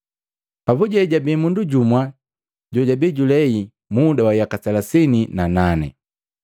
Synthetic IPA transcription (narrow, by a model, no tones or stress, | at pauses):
pabuɟɛɟabiːmunduɟumwa | ɟɔɟabiɟulɛi | mudawajakasalasininananɛ̰